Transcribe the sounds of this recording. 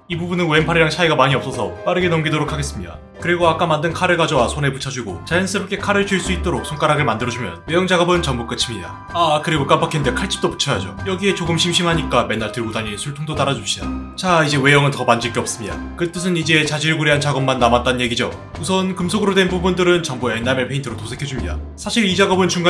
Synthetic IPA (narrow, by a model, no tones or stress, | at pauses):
ibubunɯnue̞mpʰaɾiɾaŋt͡ɕʰaiɡamaɲiʌp̚s͈ʌsʰʌp͈aɾɯɡe̞nʌmɡidoɾokʰaɡes͈ɯmɲida̰ | kɯɾiɡoak͈amandɯnkʰaɾɯɭɡad͡ʑʌwasʰone̞put͡ɕʰad͡ʑuɡot͡ɕajʌns͈ʰɯɾop̚kʰe̞kʰaɾɯɭt͡ɕuiɭs͈uit̚t͈oɾok̚sʰoŋk͈aɾaɡɯɭmandɯɾʌd͡ʑumjʌ̰nwe̞jʌŋd͡ʑaɡʌbɯnt͡ɕʌŋmbuk͈ɯt͡ɕʰimɲida̰ | akɯɾiɡok͈ampakʰendekʰaɭt͡ɕ͈i̥p̚t͈opu̥t͡ɕʰʌjad͡ʑo̰jʌɡie̞t͡ɕoɡɯmɕʰimɕʰimɦaɲik͈ame̞nːaɭtɯɭɡodaɲisʰuɭtʰuŋdot͈aɾad͡ʑup̚ɕ͈id̥a̰t͡ɕaid͡ʑe̞we̞jʌŋɯntʌmand͡ʑɯɭk͈e̞ʌp̚s͈ɯmɲida̰kɯt͈ɯsʰɯnid͡ʑe̞t͡ɕad͡ʑiɾɯɭɡuɾiɦant͡ɕaɡʌmːanːamat͈̚anɯnje̞ɡid͡ʑo | usʰʌnkɯmsʰoɡɯɾodwe̞nbubundɯɾɯnt͡ɕʌŋbue̞nːamepʰeintʰɯɾotosʰe̞kʰjʌd͡ʑumɲida̰sʰaɕʰiɾid͡ʑaɡʌbɯnt͡ɕuŋɡ